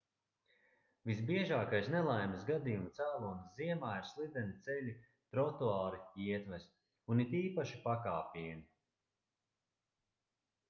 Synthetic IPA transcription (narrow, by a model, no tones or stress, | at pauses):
visbiɛʒaːkajsnɛlˠajmɨsɡad̪ijumt̪sæːlˠunsziɛmaːiɾslˠid̪ʲɛnʲit̪sɛlʲi | t̪ɾɔt̪uaːɾiiɛt̪væst̪ | unit̪iːpaʃipakaːpʲiɛni